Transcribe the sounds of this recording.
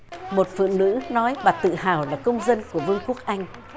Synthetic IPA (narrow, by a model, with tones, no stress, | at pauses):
mo˨˩t̚fɨ̰˧˨ŋnɨ̰˧˥nɔ˨˦jɓaː˨˩t̪ɨ̰˧˨haː˧˨˩wlaː˨˩kə˧wŋ͡mzə˧nku˧˩əvɨ˧əŋku˦˥ək̚ʔa˧jŋ̟